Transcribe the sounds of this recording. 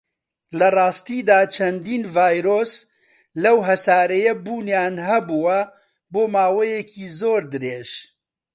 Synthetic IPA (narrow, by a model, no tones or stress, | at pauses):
lɐrˤɑːst̪iːd̪aːt͡ʃʰɐnd̪iːnvaːjɾoːs | lɐwɦɐsaːɾɐjɐbuːnjaːnɦɐbuwɐ | boːmaːwɐjɛkʰiːzoːɾd̪ɨɾeːʒ